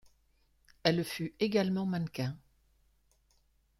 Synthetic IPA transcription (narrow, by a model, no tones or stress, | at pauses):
ɛlfyeɡalmɑ̃mãnkɛ̃